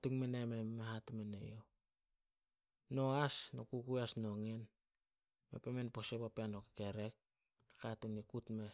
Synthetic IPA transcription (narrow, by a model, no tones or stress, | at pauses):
tuŋmenememeɦatumenḛjo | no̞asnokukuasno̞ŋen | mḛpemenpo̞sepapeanoki̥keɾe̞k̚ | akatunikutme